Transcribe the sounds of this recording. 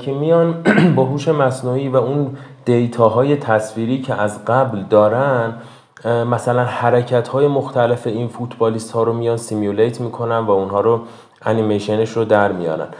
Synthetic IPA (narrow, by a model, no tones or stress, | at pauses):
emijɒnbɒɦuːʃe̞mæsnuiːvæund̪̥ejt̪ʰɒːɦɒːje̞t̪ʰæsfiːɾicʰeʔæzɢæbld̪ɒːɾænd̪ | mæsælænhæɾecʰæt̪hɒːje̞moxt̪ʰæle̞fe̞iːnfut̪ʰbɒːlist̪hɒːɾomijɒːnsimjulejt̪ʰmiːkʰo̞nænd̪væunɦɒːɾo | ænimejʃe̞neʃɾod̪æɾmijɒ̰ːɾæ̰n